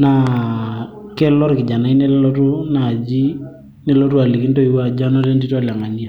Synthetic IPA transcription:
na˨ | kɛ˦lɔ˦ɾkɪ˨d͡ʒa˨na˦i˦ne˦llɔ˦tʊ˦na˨d͡ʒi˦ | ne˦lo˦tu˦a˨li˨ki˦n˦to˦i˨wa˦˨d͡ʒa˦nɔ˦te˦nti˦tɔ˦˨la˨ŋa˨ni˦a˨

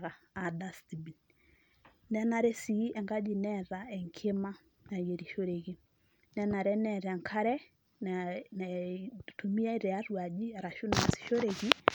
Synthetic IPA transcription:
ɣa˨ | a˨da˦sti˨bi˨n | nɛ˦na˨ɾɛ˦si˨˦ɛ˨ŋɡa˦d͡ʒi˨nɛ˦ɾa˨ɛ˨ŋkʰe˦ma˦ | na˨je˨ɾi˨ʃo˦ɾe˨ki˦ | nɛ˦na˨ɾɛ˦nɛ˨ɾa˨ŋkʰa˦ɾɛ˦ | nana˨tu˨mi˦a˦i˦ɾɛ˨a˦rwa˨d͡ʒi˦a˨ɾa˨ʃu˦na˨si̥˨ʃo˦ɾe˨ki˦

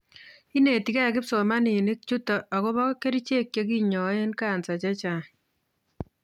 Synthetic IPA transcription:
i˦ne˨ti˨ka˦˨kɪ˦pso˨ma˦ni˨nɪ˦k̚t͡ʃu˦tɔ˨a˨kɔ˦βɔ˦ke˦ɾi˦t͡ʃe˦kje˦k̬i˦ɲɔ˨e˦nka˨nsa˨t͡ʃa˦t͡ʃa˨

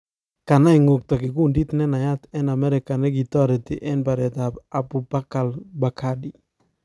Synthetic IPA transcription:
ka˨na˦i˨ŋo˨k̚t̪ɔ˨kɪ˨ku˦ndi˦t̪nɛ˦na˨ja˦t̪ɛ˦na˨mɛ˦ɾɪ˨ka˨nɛ˦ɡi˨t̪ɔ˦ɾe˨t̪i˨ʔɛ˦npa˨ɾɛ˨t̪a˨a˨buba˦ka˨lba˨ka˦di˨

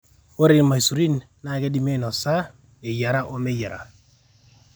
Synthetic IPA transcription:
o˦ɾɪ˨˦ma˨i˨su˨ɾi˦n | na˨ke˦di˦me˦˨nɔ˨sa˦ | e˨ja˨ɾa˦ʔo˦me˦ja˨ɾa̰˨

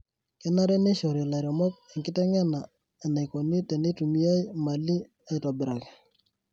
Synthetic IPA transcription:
kɛ˦na˦ɾɛ˦ne˦ʃɔ˨ɾi˨la˨ɾɔ˨mɔ˦k̚e˨ŋɡɪ˦tɛ˦ŋɛ˦na˨ | a˨na˨jko˨ni˦te˨ne˦tu˨mi˦ja˦jma˨li˦ | a˨jtɔ˨bɪ˨ɾa˨kɛ˨

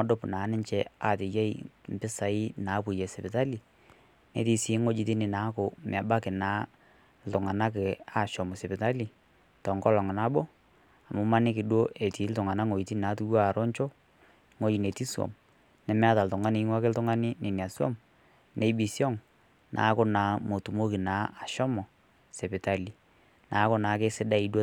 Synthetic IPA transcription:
mɔ˦do˦pna˨˦nɪ˦ɲt͡ʃɛ˦a˨tɪ˨je˦i˦m˨pɪ˦sa˨ɪ˦na˨˦pu˨jɛ˨sɪ˨pɪ˨ta˦li˨ | ne˨ti˦sɪ˨˦ŋo˦d͡ʒi˨ti˦nɪ˨na˨˦kʊ˨mɪ˨a˨ba˦kɪ˨naː˨˦ | l̩˨tʊ˨ŋa˨na˦k̬e˨a˨ʃɔ˨mʊ˨sɪ˨pɪ˨ta˦li˨ | tɔ˨ŋkɔ˦lɔ˨ŋ˨na˦bo˦ | a˨mʊ˦ma˦nɪ˦k̬ɪ˨do˦ʔe˨ti˨˦ltʊ˨ŋa˨na˦ŋo˨i˨ti˦˨naː˨˦tu˦wa˦˨ɾɔ˦ɲt͡ʃo˦ | ŋo˦d͡ʒi˨ne˨ti˦swɔ̰˨m | nɛ˨mɛ˦a˦ta˨ltʊ˨ŋa˦nɪ˨˦ŋwa˦kɪ˦ltʊ˦ŋa˦nɪ˦ne˨ni˨a˨swɔ̰˦m | ne˨˦bi˨sjɔ˦ŋ | nʔa̰˨˦kʊ˦naː˨˦mo˨tu˨mo˦kɪ˨naː˨˦a˨ʃɔ˦mɔ˨ | sɛ˨pɪ˨ta˦li˨ | naː˨˦kʊ˦na˨˦k̬ɪ˦sɪ˦da˦i˨˦dwo˦

